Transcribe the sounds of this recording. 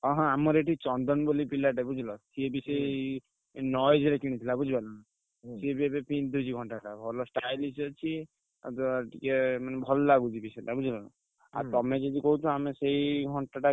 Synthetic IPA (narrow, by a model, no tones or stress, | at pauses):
ɔɦɔ̃amɔɾeʈit͡ʃɔnd̪ɔnbolipilaʈabud͡ʒʱilɔsiebisɔi | nɔjd͡ʒɾekiɽ̃it̪ʰilabud͡ʒʱibanana | sebabepind̪ud͡ʒiɡʱɔɳʈaʈabʱɔlɔsʈajlisɔt͡ʃʰi | t̪ɔʈikemanɛbʱɔlɔlaɡud͡ʒ̪ʱibisɔʈabud͡ʒʱilɔna̰ | a̰ɾt̪ɔmed͡ʒed̪ikoɦut͡ʃʰɔamesejɡʱɔɳʈaʈa